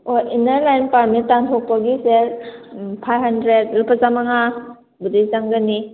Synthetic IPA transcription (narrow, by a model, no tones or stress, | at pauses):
oinaɾlajnpaɾmittantʰok̚paɡiseɾpʰajɦandɾed̚ɾupʰazamaŋa | budijzaŋɡani